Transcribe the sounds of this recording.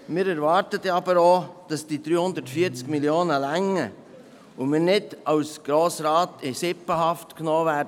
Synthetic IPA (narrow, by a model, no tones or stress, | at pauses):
mɪːɾæɾvɑɾtət̪əɑbəɾoːd̥ɑsd̥id̪ɾyːhʊnd̪ətfiːəɾt͡skmiljoːnəlæŋːə | ʊmɪːɾnɪdɑwsɡ̥ɾoːsɾɑːt̪ɪsɪpəɦɑftknoːvɛːdə